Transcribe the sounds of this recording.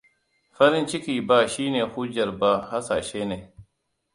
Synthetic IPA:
ɸɐ˦ɾɪ˦nt͡ʃɪ˦kʲiː˨baː˨ʃiː˦neː˨hu˦d͡ʒɐ˨ɾba˦ha˦saː˨ʃeː˦ne˨

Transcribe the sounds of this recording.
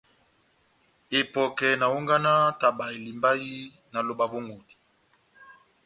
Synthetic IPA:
e˨pɔ˨kɛ˨na˨u˦ŋɡa˦na˦ta˨ba˨e˨li˨mba˦ji˦ | na˨lo˨ba˨vo˦ŋɡo˨di̥˨

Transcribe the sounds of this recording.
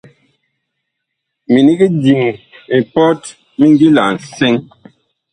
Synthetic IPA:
mi˨ni˦ɡi˦di˨ŋi˨pɔ˦t | mi˦ŋ˦ɡi˦la˨n̩˨se˦ŋ

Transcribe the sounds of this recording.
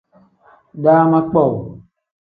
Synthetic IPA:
ɖaː˦mã˦k͡pɔ˦˨w

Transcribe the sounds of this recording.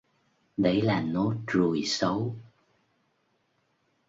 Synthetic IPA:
ɗə˨˦jlaː˨˩no˨˦tɹu˨˩jsə˨˦w

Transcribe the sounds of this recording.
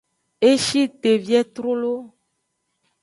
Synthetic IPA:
e˦ʃi˦t̪e˨vi˦ɛ˦t̪ɾo˦lo˦

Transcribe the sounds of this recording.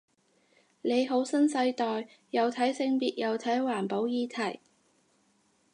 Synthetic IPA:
ne˨˧jɦo˨˥wsɐ˥nsɐ˧jt̪ɔː˨j | jɐ˨˧wt̪ʰɐ˨˥jsɪ˧ŋpiː˨t̚jʔɐ˨˧wt̪ʰɐ˨˥jwaː˨˩npo˨˥wjiː˧t̪ʰɐ˨˩j

